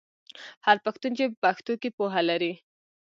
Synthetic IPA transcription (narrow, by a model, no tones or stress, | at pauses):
haɾpaxt̪unt͡ʃepaxt̪okepoɦalaɾi